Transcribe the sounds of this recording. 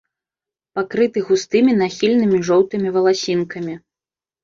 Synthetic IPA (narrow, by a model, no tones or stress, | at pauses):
pakɾɨt̪ɨɣust̪ɨmʲinaxʲilʲnɨmʲiʐɔwt̪ɨmʲivɐlˠasʲinkɐmʲi